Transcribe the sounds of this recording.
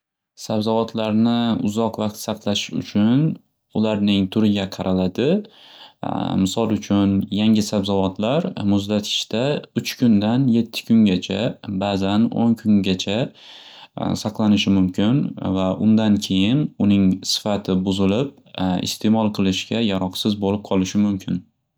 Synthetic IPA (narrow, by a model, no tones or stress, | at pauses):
sabzɒvɒt̪ʰlaɾnɪʊ̰zɒqvɑq̚t̪sɑqlˠaʃʊ̰t͡ʃʰʊn | ʊlaɾnɪŋt̪ʰʊɾɪɡʲaqʰɑɾʔalad̪ɪ | mɪsɒlˠʊt͡ʃʰʊnjaŋʲɪsabzɒvɒt̪laɾmʊzd̪at̪ʰɪ̥ʃt̪aʊt͡ʃkʰʲʊnd̪anje̞t̪ʰːɪ̥kʲʊŋɡʲat͡ʃʰabazano̰ŋkʰʊŋɡʲat͡ʃʰa | sɑqlˠanɪʃɪmʊmkʲʰɪnvaʔʊnd̪ankʲʰe̞jɪnʊnɪŋsɪ̥fat̪ʰɪbʊzɪlɪp̚ | ɪ̰st̪ʰe̞mɒlˠqʰɨlˠɪʃɡʲajaɾɒqsɪzbolɪp̚qʰɒlˠɪʃɪmʊmkʲʰɪn